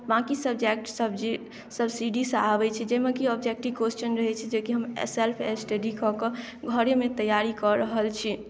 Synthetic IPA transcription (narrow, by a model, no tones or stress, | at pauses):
bãkisəbd͡ʒek̚ʈsəbd͡ʒ | səbsiɖisəabɛt͡ʃʰɛd͡ʒemekiɔbd͡ʒek̚ʈibkwesʈənɾəɦɛt͡ʃʰid͡ʒekiɦəmḛselpʰesʈeɖikɔke | ɡʱəɾjmet̪əjːaɾikɔɾəɦəlt͡ʃʰi